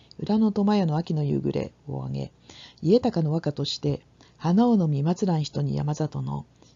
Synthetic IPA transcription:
ɯ̟ɾano̞t̪o̞majano̞akʲino̞jɯ̰ːɡɯ̟ɾe̞̰o̰a̰ɡe̞̰ | ie̞t̪akano̞βakat̪o̞ɕi̥t̪e̞ | hanaono̞mʲimat͡sɨɾãɰ̃çi̥t̪o̞ɲ̟ḭja̰mazat̪o̞no̞̰

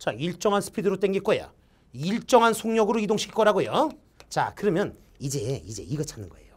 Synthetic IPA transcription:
t͡ɕaiɭt͡ɕ͈ʌŋɦansʰɯ̥pʰidɯɾot͈eŋɡik͈oja̰ | iɭt͡ɕ͈ʌŋɦansʰoŋɲʌɡɯɾoidoŋɕʰi̥kʰi̥k͈ʌɾaɡojo | t͡ɕa̰kɯɾʌmjʌn | id͡ʑe̞id͡ʑe̞̰iɡʌt͡ɕʰanɯnɡʌe̞̰jo

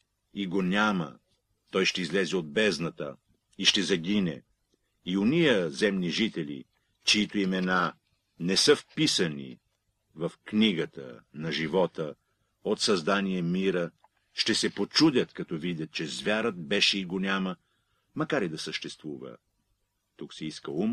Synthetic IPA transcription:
iɡonʲamə̰ | t̪ɔjʃt̪ɛizlɛzɛod̪̚bɛznɐt̪ə | iʃt̪ɛzɐɡʲinɛ̰ | ionijəzɛmniʒit̪ɛlḭ | t͡ʃɛit̪oimɛna | nɛsəfpisɐnḭ | vɐfkniɡət̪ə̰nɐʒivɔt̪ə | ot̪sɐzd̪aniɛmiɾə | ʃt̪ɛsɛpot͡ʃud̪ʲət̪kɐt̪ɔvid̪ʲət̪̚t͡ʃɛzvʲjaɾət̪̚bɛʃɛiɡonʲamə | mɐkaɾid̪ɐsəʃt̪ɛst̪vuvə̰ | t̪uksɛiskəum

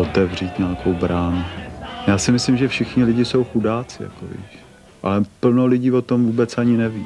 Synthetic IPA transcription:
ot̪ɛvriːt̪ɲaːkʰo̞wbɾaːnujaːsɪmɪslɪmʒɛfʃɪxɲɪlɪɟɪso̞wxudaːt͡sɪ̰ja̰ko̰vɪ̰ʃ | ʔa̰lɛpl̩nolɪɟiːvot̪o̞mvuːbɛt͡saɲɪnɛviː

